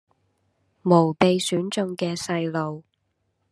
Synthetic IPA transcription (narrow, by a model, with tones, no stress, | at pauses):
mo˨˩wpe˨˧jsyː˨˥nt͡ʃɵ˧ŋkɛː˧sɐ˧jlo˨w